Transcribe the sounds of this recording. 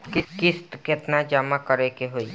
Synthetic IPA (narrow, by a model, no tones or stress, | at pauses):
kɪkɪst̪ket̪nad͡ʒaːmakəɾekeɦoi